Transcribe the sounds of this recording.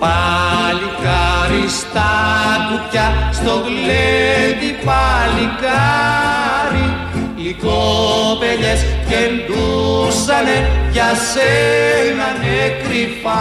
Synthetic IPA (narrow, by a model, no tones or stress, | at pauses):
palikaɾist̪akucast̪okled̪ipalika | ɾi | ikobeʎɛskend̪usanejaselanekɾipa